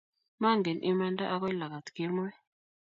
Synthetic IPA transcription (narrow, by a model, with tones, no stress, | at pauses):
ma˦˨ŋɡe˨nʔɪ˦ma˦nda˦ʔa˦kɔ˦la˨ka˨t̪kɪ˦mɔ˦ɛ˦